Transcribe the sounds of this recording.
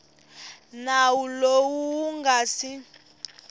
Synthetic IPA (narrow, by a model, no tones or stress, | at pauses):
nawulowuːŋɡasi